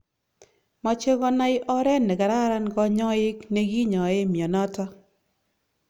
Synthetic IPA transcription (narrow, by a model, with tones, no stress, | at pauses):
mɔ˨t͡ʃe˦ɡɔ˦na˦ɪ˦ʔɔ˦ɾɛ˦nːɛ˨ɡa˨ɾa˦ɾa˦nɡɔ˦ɲɔ˦ɪ˦kne˨ɡi˦ɲɔ˨ɪ˦mjɔ˨nɔ˦tɔ˦